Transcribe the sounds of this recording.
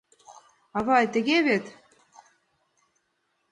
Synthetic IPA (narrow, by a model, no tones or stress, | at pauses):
ɑβɑjt̪ə̆ɣeβet̪